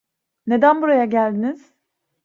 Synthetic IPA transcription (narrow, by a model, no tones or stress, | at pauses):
ne̞d̪ænbuɾajaɟælʲd̪iniz̥